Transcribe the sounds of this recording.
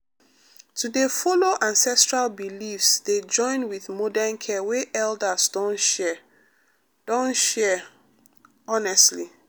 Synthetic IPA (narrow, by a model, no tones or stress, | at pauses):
tudefoloʔãnsɛstɹalbilifsd̥ed͡ʒɔ̃ɪ̃nwiðmɔdɛnkʰɛweʔɛldəsdɔ̃nʃɛ | d̥ɔ̃nʃɛ | ɔnɛstli